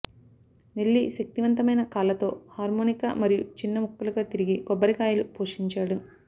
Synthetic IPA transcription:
nelːiʃɐk̚t̪iʋɐnt̪ɐmɐjnɐkaːlɐt̪o̞ːhaːɾmoːnika̰mɐɾijut͡ʃinːɐmukːuluɡaːt̪iɾiɡiɡɔbːɐɾikaːjɐlupoːʂiɲt͡ʃaːɽu

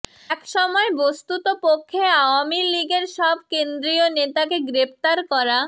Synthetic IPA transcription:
ɛkʃɔmɔebost̪ut̪opokʰːeaoamiliɡeɾʃɔb̚ʱkend̪ɾionet̪akeɡɾept̪aɾkɔɾa

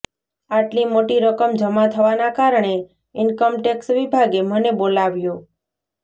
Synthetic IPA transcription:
aʈlimoʈiɾəkəmd͡ʒəmat̪ʰəʋanakaɾɳe | ɪnkəmʈeksʋibʱaɡemənebolaʋjũ

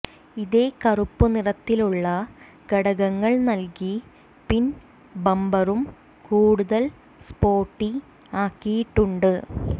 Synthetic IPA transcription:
iðeːkɐrupːunirɐt̪ːiluɭːɐ | ɡɐɽɐɣɐŋːɐɭnɐlki | pin | bɐmbɐrum | kuːɽuðɐl | spo̞ːʈːi | aːkːijiʈːuɳɖɨ

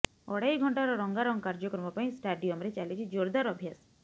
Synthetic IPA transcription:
ɔɽajɡʱɔɳʈaɾɔɾɔŋɡaɾɔŋkaɾd͡ʒɔkɾɔmɔpaĩsʈaɖijɔmɾet͡ʃalit͡ʃʰid͡ʒoɾd̪aɾɔbʱjas

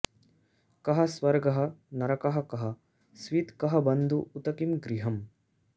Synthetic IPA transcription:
kɐɦɐsʋɐɾɡɐɦɐ̆nɐɾɐkɐɦɐkɐɦɐ̆ | sʋit̪kɐɦɐbɐnd̪ʱuʔːt̪ɐkimɡɾiɦɐm

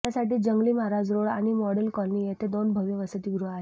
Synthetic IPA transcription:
jasaʈiːd͡ʑəŋɡliːmaɾad͡zɾoɽaɽ̃imɔɽəlkɔlnijet̪ed̪onbʱəʋjeʋəsət̪iːɡuɾuaɦe

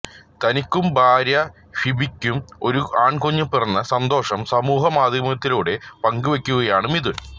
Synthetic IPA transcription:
t̪ɐnikʲːumbʱaːɾjɐ | fibikʲːumo̞ɾuaːɳkoɲːupɛrɐnːɐsɐnd̪o̞ːʂɐmsɐmuːɦɐmaːd̪ʱjɐmɐt̪ːiluːɽe̞pɐŋɡɨʋekʲːuɣɐjaːɳɨmiðɨ

